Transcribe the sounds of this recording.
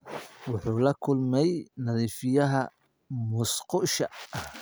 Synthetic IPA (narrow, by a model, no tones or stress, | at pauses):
wɑħuːlɐkʰʊlmɛjnɐðiːfɪjɐɦɐ | mʊsqʊʃɐɐh